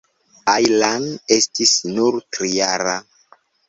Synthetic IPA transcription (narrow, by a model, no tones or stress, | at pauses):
ajlane̞stisnuɾtɾijaɾa